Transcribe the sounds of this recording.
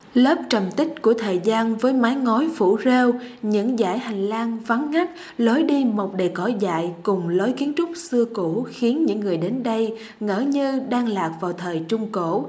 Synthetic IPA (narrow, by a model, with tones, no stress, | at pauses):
ləː˦˥p̚t͡ɕə˨˩mt̪ï˦˥k̟̚ku˧˩ət̪ʰəː˨˩jzaː˧nvəː˨˦jma˨˦jŋɔ˨˦jfṵ˧˩ze˧wɲɨ̰˧˥ŋza̰ː˧˩jha˨˩jŋ̟laː˧nva˨˦nŋa˦˥k̚ | lo˨˦jɗi˧mo˨˩k͡p̚ɗe˨˩kɔ˧˩jza̰ː˧˨jkʊ˨˩ŋ͡mlo˨˦jki˨˦ənt͡ɕʊ˦˥k͡p̚sɨ˧əku˧˩xi˨˦ənɲɨ̰˧˥ŋːɨ˨˩əjɗe˨˦nɗə˧j | ŋə̰ː˧˩ɲɨ˧ɗaː˧ŋlaː˨˩k̚vaː˨˩wt̪ʰəː˨˩jt͡ɕʊ˧ŋ͡mko̰˧˩˨